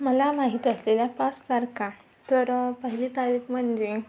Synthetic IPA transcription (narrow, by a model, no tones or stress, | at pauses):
məlamaɦit̪iəsleljapast̪aɾka | t̪əɾpəɦilit̪aɾiːkm̤əɳd͡ʑe